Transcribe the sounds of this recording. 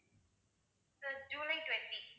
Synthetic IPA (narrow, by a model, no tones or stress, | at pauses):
səd͡ʒũlitwɛ̃nti